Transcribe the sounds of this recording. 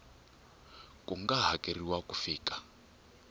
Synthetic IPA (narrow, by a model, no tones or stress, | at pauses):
kʼuŋɡaɦakeriwakufiːkʼḁ